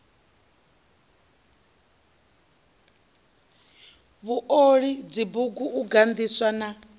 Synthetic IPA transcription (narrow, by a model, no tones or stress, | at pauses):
βuʔoɺid͡zibuɡuʔuɡand̪iswana